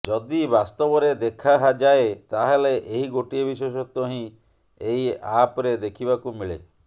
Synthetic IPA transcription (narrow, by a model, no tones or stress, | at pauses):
d͡ʒɔd̪ibast̪ɔbɔɾed̪ekʰaɦad͡ʒaet̪aɦeleʔeɦiɡoʈiebisesɔt̪ɔɦĩ | eɦiapɔɾed̪ekʰibakumiɭḛ